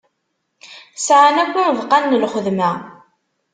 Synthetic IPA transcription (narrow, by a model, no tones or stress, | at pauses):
sʕanækʷːivqɑnːəlχəðmæ